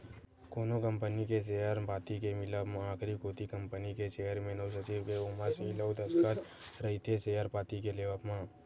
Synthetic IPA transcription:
koːnokə̃mpənikes̬eɦəɾpaːt̪ikemɪləpmãaːkʰɾikoːt̪ikɐ̃mpənikeʃeɦəɾmẽnəws̬ət͡ʃiːʋkeʊmasiləʊt̪əskat̪ɾɐɦit̪ʰeseːɦəɾpaːt̪ikeleːʋəpmãː

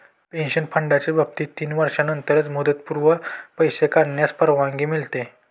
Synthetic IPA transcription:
pẽnɕənpʰəɳɖat͡ɕebʱəp̚t̪iːt̪iːnʋəɾʂanənt̪əɾət͡smud̪ət̪̚puɾʋəpəjsekaɽɳjaspəɾʋãŋɡiːmilt̪e

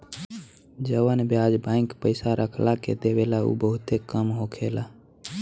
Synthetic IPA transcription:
d͡ʒəʋənbjaːd͡ʒbãːɪ̃ŋkpəɪsaɾʔəkʰlakḛd̪eʋeːlaṵːbəɦʊt̪ekəmɦoːkʰeːlaː

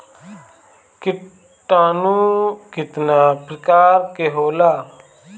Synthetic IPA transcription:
kɪ | ʈaːnũːkɪt̪naːpɾəkaːɾkeɦoːlaː

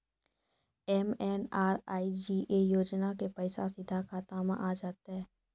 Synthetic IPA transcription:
ɛmɛːnaːɾaːid͡ʒiːʔejoːd͡ʒnakepɐɪsa̰sɪd̪ʱakat̪aːmã̰ʔaːd͡ʒaːt̪aɦɛː

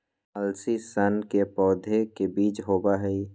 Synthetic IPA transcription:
əlsisənkepɔːd̪ʱekebiːt͡ʃɦobaɦɛi

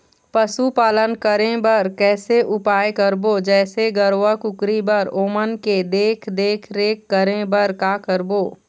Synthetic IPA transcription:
pɐsupaːlənkəɾẽbɐɾkɛːseʔʊpaːjkəɾbod͡ʒɛːseɡəɾwəkʊkɾibəɾoːmənked̪eːkʰd̪eːkʰɾeːkːəɾẽbɐɾkaːkəɾboː

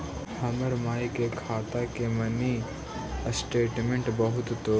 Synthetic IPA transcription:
hɐməɾmaːikekʰaːt̪akemɐni | əsʈeːʈmẽɳʈbəɦʊt̪t̪oː

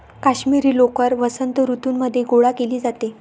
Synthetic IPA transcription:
kaɕmiɾiːlokəɾʋəsənt̪əɾut̪uːnməd̪ʱːjeɡoɭakeliːd͡zat̪e

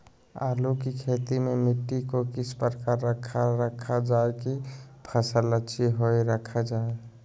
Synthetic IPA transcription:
a̰lukikʰet̪imemiʈːikokisʰpɾəkaɾːəkʰaɾɾəkʰad͡ʒaekipʰəsələt͡ʃʰiɦojɾəkʰad͡ʒae

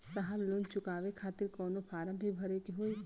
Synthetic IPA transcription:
səɦəbloːnt͡ʃʊkaːʋekʰaːt̪ɪɾkɔːnopʰaːɾə̃mbʱibʱɐɾekeɦoːi

